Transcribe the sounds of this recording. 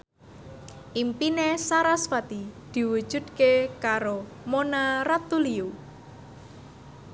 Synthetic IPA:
ʔimpinesaɾaswat̪id̪̥i̤wud̥ʒ̥ṳd̪̚kekaɾo | monarat̪uliu

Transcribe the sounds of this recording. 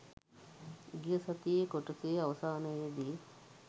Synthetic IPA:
ɡjɐsɐt̪ikoʈut̪eɐʋɐsaːnɐjd̪i

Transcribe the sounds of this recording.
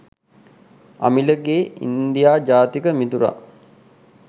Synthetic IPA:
a̰miləɡeːḭnd̪ijaːd͡ʒaːt̪ikəmit̪uɾa̰

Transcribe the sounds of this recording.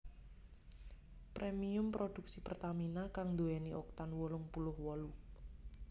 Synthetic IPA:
pɾemiʊmpɾod̥ṳk̚sipərt̪aminakaŋd̪oɛniʔɔk̚t̪anwɔlʊŋpulʊhwɔlu

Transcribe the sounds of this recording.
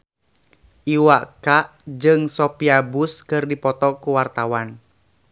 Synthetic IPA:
ʔiwakaʔd͡ʒɨŋsɔpiabuskɨrdipɔt̪ɔkuwart̪awan

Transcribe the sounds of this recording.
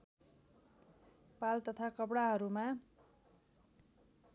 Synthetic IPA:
palt̪ʌt̪ʰakʌpɽaɦʌɾuma

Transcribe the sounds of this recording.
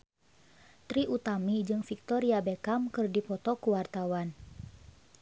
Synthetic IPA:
t̪ɾiʔut̪amid͡ʒɨŋfik̚t̪ɔɾiabekamkɨrdipɔt̪ɔkuwart̪awan

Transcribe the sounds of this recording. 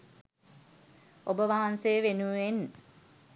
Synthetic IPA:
obəʋaɦansejːʋenuen

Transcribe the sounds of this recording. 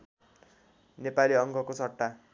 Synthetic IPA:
nepaliʌŋɡʌkot͡sʰʌʈːa

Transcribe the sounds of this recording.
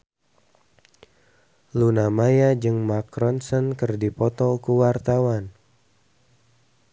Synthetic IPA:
lunamajad͡ʒɨŋmakɾɔnsɔnkɨrdipɔt̪ɔkuwart̪awan

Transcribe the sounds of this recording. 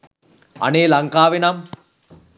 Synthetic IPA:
ɐ̰neːlɐŋkaːʋinɐm

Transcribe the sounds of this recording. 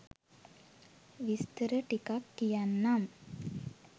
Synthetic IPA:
ʋist̪əɾəʈikakːijanːam

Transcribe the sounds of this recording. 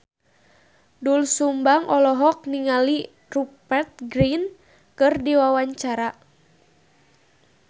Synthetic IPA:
dulsumbaŋʔɔlɔɦɔk̚niŋali | rupɛrt̪̚ɡɾin | kɨrdiwawaɲt͡ʃaɾa

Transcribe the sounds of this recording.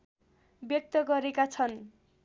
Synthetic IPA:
bjʌk̚t̪ʌɡʌɾekat͡sʰʌn

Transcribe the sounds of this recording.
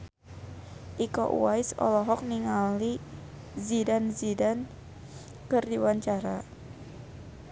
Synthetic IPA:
ʔikɔ̰ʔṵajsɔ̰lɔɦɔk̚niŋali | zidanzidan | kɨrdiwaɲt͡ʃaɾa

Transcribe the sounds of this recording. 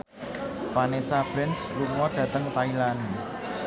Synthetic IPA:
panesabɾɪnsluŋɔd̥ä̤t̪əŋt̪ailane

